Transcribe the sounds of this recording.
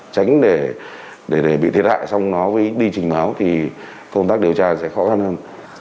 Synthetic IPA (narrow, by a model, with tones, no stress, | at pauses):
t͡ɕa˨˦jŋ̟ɗe˧˩ | ɗe˧˩ɗe˧˩ɓḭ˧˨t̪ʰi˦ət̚ha̰ː˧˨jsa˧wŋ͡mnɔ˨˦vəː˨˦jɗi˧t͡ɕï˨˩ŋ̟maː˨˦wt̪ʰi˨˩ | kə˧wŋ͡mt̪aː˦˥k̚ɗi˨˩əwt͡ɕaː˧sɛ̰˧˥xɔ˨˦xa˧nhəː˧n